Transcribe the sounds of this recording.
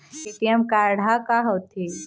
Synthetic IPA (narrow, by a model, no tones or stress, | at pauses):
eːʈijəmkaɾɽ̤ʱakaɦot̪ʰi